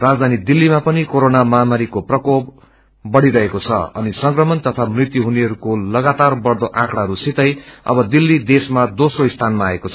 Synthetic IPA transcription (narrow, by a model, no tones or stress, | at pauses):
rad͡zd̪ʱanid̪ilːimapʌnikoɾonamʌɦamaɾikoprʌkobː | ʌɽiɾʌɦekot͡sʰʌ̰ʌ̰nisʌŋkrʌmʌnt̪ʌt̪ʰamrit̪juɦuneɦʌɾukolʌɡat̪arbʌrd̪oʔãkɽaɦʌɾusit̪ʌjʌ̰bʌd̪ilːid̪esmad̪osroist̪ʰanmaːekot͡sʰʌ̥